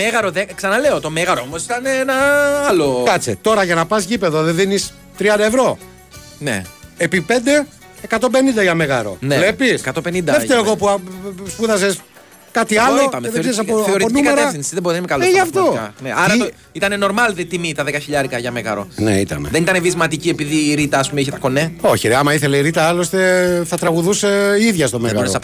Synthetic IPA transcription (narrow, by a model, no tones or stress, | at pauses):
meɣɐɾoðeksɐnɐleot̪o̞meɣɐɾoomosi̥t̪ɐneenɐɐlokɐt͡set̪o̞ɾɐʝɐnɐpɐsʝipe̞ðoðeðinis | t̪ɾiɐnd̪ɐevɾo̞ | nḛepipe̞nd̪e̞ | ekɐt̪ombe̞nind̪ɐʝɐme̞ɣɐ̰ɾo̞̰nele̞piskɐt̪openind̪ɐðefeɾoeɣo̞puspuðɐses | kɐt̪iɐloipɐmezɾisɐoθeoɾioniumikɐtɾeɐθinsiðeboðimekɐloeʝɐft̪okɐneʔɐɾɐo | it̪ɐne̞no̞ɾmɐlðet̪imit̪ɐðekɐçiʎɐɾikɐʝɐmeɣɐɾonḛḭt̪ɐ̰neðenit̪ɐnevizmɐt̪iciepiðiːɾit̪ɐːspumeiçet̪ɐko̞neoçiɾeɐmɐiθeleiɾit̪ɐɐlo̞st̪eθɐt̪ɾɐɣuðuseiðʝɐst̪omeɣonesɐp